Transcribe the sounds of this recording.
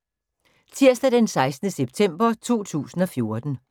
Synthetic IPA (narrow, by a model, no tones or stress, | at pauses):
t͡sʰiɐ̰sd̥æd̥ensɑ̈ɪsd̥n̩əseb̥̚t͡sʰem̰b̥ɐt͡sʰo̝̰ːt͡sʰṵːsn̩ɒ̽fjo̝ɐd̥n̩